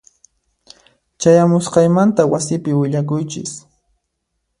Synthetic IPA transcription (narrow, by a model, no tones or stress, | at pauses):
t͡ʃajamʊsqɑjmant̪awasɪpɪwɪʎakʊjt͡ʃɪ̰s